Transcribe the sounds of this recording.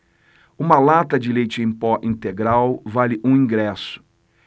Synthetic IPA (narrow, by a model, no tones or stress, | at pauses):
ũmɐlat̪ɐd͡ʒɪlejt͡ʃɪẽpɔʔĩnt̪eɡɾawvalɪʔũĩŋɡɾɛsʊ̥